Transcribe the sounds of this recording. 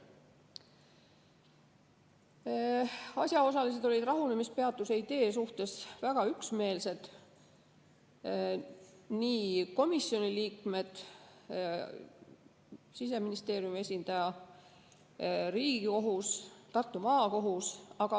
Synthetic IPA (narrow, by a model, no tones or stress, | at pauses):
ɑsjɑo̞s̬ɑlis̬e̞d̪̥o̞lʲid̪rɑɦunemispeɑt̪ːˑuseid̪̥e̞ːs̬uht̪e̞svæɡ̥ɑyksme̞ːlse̞d̪̥ | niːko̞misːio̞niliːkme̞d̪̥ | sis̬e̞minist̪e̞ːɾjumie̞sʲind̪̥ɑjɑ | ɾiːɡiko̞ɦust̪ɑrt̪ːˑumɑːko̞ɦusɑɡ̥ɑ